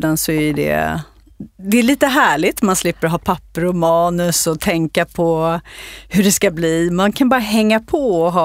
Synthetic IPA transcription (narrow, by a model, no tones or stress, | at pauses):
d̪ansɔɛɖɛ̰ | d̪ɛːɭiːt̪əɦæːɭɪt̪manslɪpːəɾɔɦɑːpʰapːəɾɔmɑːnɵsɔt̪ʰɛŋkapʰɔ | hɵɖɛskabliːmankʰanbɑːɾaɦɛŋːapʰɔɔɦɑː